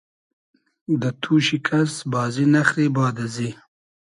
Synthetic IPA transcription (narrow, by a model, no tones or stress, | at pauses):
d̪ət̪ʰuːʃikʰasbɑːzinaxɾibɑːd̪azi